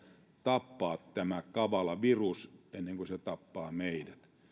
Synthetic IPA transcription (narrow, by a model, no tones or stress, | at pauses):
t̪ɑpːɑːt̪t̪æmækɑʋɑlɑʋirusenːeŋkoset̪ɑpːɑːmeidæt̪